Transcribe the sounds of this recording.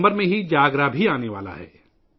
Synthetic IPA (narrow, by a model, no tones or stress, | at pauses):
bəɾmẽɦid͡ʒaːɡɾabʱiaːneʋa̰ːla̰ɦɛ̰ː